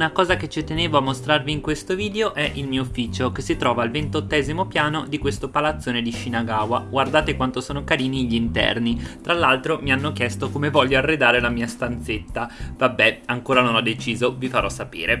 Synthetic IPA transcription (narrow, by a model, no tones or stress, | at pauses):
unakɔːzaket͡ʃit̪eneːvoamːost̪ɾarviːŋkwest̪oviːd̪eoʔɛʔilmiːoufːiːt͡ʃokesːit̪ɾɔːvaːlvent̪ot̪ːɛːzimopjaːnod̪ikwest̪opalat̪sːoːned̪iʃinaɡaːwaɡward̪aːt̪ekwant̪osoːnokaɾiːniʎːint̪ɛ̰rnit̪ɾalːalt̪ɾomianːokjɛst̪okomevɔʎːoarːed̪aːɾelamiːast̪ant̪set̪ːavabːɛaŋkoːɾanonɔd̪ːet͡ʃiːzovifaɾʔɔsːapḭːɾe